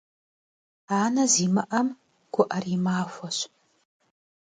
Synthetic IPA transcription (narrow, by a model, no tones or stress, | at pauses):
aːnɐziːmɐʔɐm | ɡ̥ʷʊʔɐriːmaːxʷɔɕ